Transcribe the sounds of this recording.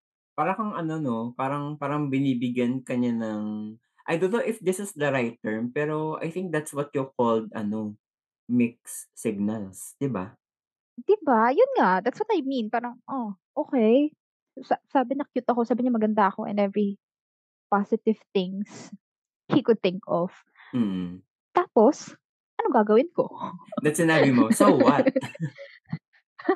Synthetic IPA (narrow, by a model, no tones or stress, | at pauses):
paːɾɐkɐŋʔɐno̞nopaːɾɐŋpaːɾɐŋbɪniːbɪɡjɐnkɐɲanɐŋ | ʔajd̪onːowʔɪfd̪ɪsɪsd̪ɐɾajt̪ːɛɹmpɛːɾo̞a̰jθɪ̃ŋk̚d̪at̪swɔt̪̚jʊkold̪̚ɐ̰no | mɪk̚sːɪɡ̚nɐlsd̪̥ɪba | d̪̥ɪbajʊnŋaʔd̪at̪swɔt̪ɐjmĩnpaːɾɐŋʔoʔoːkɛj | sasaːbɪnɐkjut̪ɐkosaːbɪɲɐmɐɡɐnd̪aʔɐko̞ʔɛ̰nd̪ɛvɹi | pasɪt̪ɪv̥θɪŋs | hikʊd̪̚θɪŋkɔv̥ | m̩ː | t̪aːpos | ʔɐnoɡaːɡɐwɪnko̞d̪ɐt̪sɪnabɪmosowɐt̚